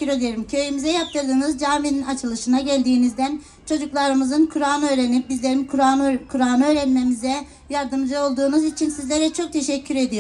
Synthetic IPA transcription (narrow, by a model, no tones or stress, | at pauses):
yɾe̞d̪ijeɾɯmcʰø̞jymizɛjap̚t̪ʰɯɾd̪ɯnɯzd͡ʒaːmininat͡ʃʰɯlˠɯʃɯnaɟælʲd̪iːnizd̪æn | t͡ʃʰo̞d͡ʒuklˠaɾɯmɯzɯnkʰuɾaːnɯø̞ːɾenip̚bizlʲe̞ɾinkʰuɾakʰuɾaːnɯø̞ːɾænme̞mizɛ | jaɾd̪ɯmd͡ʒɯo̞lˠd̪uːnuzit͡ʃʰinsizlʲe̞ɾɛt͡ʃʰo̞k̚t̪ʰe̞ʃɛcʰːyɾe̞d̪ijo